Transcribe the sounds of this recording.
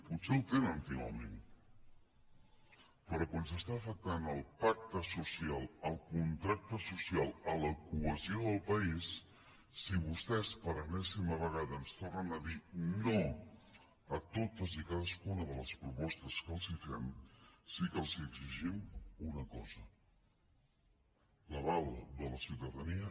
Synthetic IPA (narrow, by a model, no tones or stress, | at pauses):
put̪sɛwt̪enənt̪iɣə̰mḛn | pəɾɔkwansəst̪aəfək̚t̪anəlˠpak̚t̪əsusialˠəlˠkunt̪ɾak̚t̪əsusialˠələkuəzioðəlˠpəisː | iβust̪ɛspəɾənɛsiməβ̞əɣaðəːnst̪ornənəðino | ət̪ot̪əzikaðəskunəðələspɾupɔst̪əskəlˠzifɛmsikəlˠziəɡziʒimunəkɔzə | ləβalˠd̪ələsiwt̪əðəniə